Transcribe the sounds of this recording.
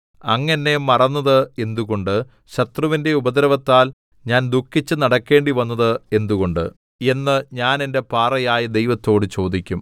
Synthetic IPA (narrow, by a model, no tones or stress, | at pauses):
ɐŋːɐnːe̞mɐrɐnːɐðɨe̞nd̪uɣo̞ɳɖɨ | ɕɐt̪rɐʋinde̞ubɐd̪ɐɾɐʋɐt̪ːaːl | ɲaːnd̪ukʰːit͡ɕːɨnɐɽɐkːe̞ːɳɖiʋɐnːɐðɨe̞nd̪uɣo̞ɳɖɨ̰ | e̞nːɨɲaːne̞nde̞paːrɐjaːjɐd̪e̞jʋɐt̪ːo̞ːɽɨt͡ɕo̞ːd̪ikʲːum